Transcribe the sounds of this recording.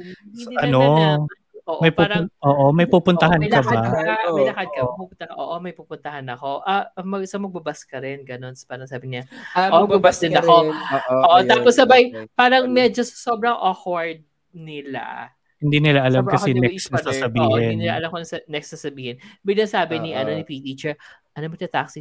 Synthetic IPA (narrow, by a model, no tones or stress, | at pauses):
sʔɐno | ʔoːʔmɐjpuɾɐʊʔoːʔomɐjpuːpʊnt̪ɐhanjklɐbaamɐjlɐkɐd̪̚kɐmɐpɐpʊnt̪ɐkɐʔo̰ːʔomɐjpupʊnt̪ɐhanɐko̞ʔɐɐmɐɡsɐmɐɡ̚bɐbaskɐɾɪnɡɐno̞nspaːɾɐŋsaːbɪɲɐʔomɐɡbɐbasd̪ɪnɐko̞ʔoːʔoaːpɔsːɐbajpaːɾɐŋmɛd͡ʒosɐ̥so̞bɾɐŋʔoxwɐɹd̪̚ | nɪla̰ | hɪnd̪iːnɪlaʔɐlamkɐsɛnɛssasɐbiːhɪnnɪla̰ʔɐ̰lamkonɐsɐnɛksasɐbiːhɪnbɪɡ̚nɐŋsaːbɪnɪʔɐno̞nɪpit̪iːt͡ʃɛɹ | ʔɐnomɐt̪ɐt̪a̰ksɪ